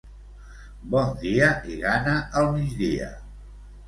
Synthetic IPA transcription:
bɔnd̪iəʔiɣanəʔəlˠmid͡ʒðiə̰

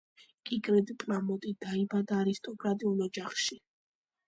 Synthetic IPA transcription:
kʼikʼɾɛd̪ipʼlamɔt̪ʼid̪̥aibad̪aːɾist̪ʼɔkʼɾat̪ʼiulˠɔd͡ʒaχʃi

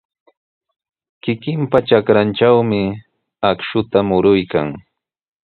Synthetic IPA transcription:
kɪkɪmpaʈ͡ʂakɾant͡ʃawmɪ | akʃʊt̪amʊɾʊjka̰ŋ

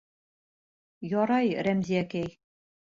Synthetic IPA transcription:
jɒɾɑjɾæmziækæj

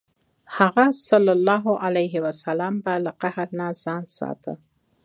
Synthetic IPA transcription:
haɣasalːalːɑɦʊʔalajɦɪwasalɑmbalaqahɾnaz̥ɑnsɑ̰t̪ʰə̰

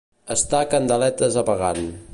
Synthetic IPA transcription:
əst̪akənd̪əlɛt̪əzəpəɣa̰n

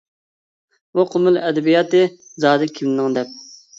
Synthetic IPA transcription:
buqʰʊmɪlɛd̪ɛbijɑːt̪ɨzɑːd̪ɨkʲʰimnnɨŋd̪ɛp̚

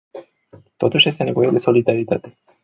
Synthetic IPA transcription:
t̪ot̪uʃjest̪ene̞vojed̪eso̞lid̪aɾit̪a̰t̪e

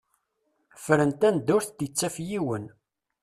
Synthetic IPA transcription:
fɾənt̪ænd̪ʊɾθt̪ət͡sːæfjiwən

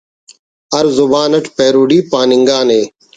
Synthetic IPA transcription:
ɐɾzʊbaːnɐʈpeːɾuːɖiːpaːnɪŋɡaːneː

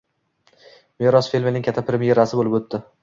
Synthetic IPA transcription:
meɾɒsfelʲmenɪŋʲkʲʰat̪ʰːapʰɾʲemije̞ɾasɪbolɪpɵt̪ːɪ

